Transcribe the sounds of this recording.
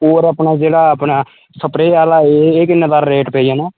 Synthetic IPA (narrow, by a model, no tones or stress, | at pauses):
oːɾaːpɳaːd͡ʒeːɽaːpɳaː | səpɾeːaːlaːeekɪnːad̪aːɾɾeːʈpɛːijãːnãː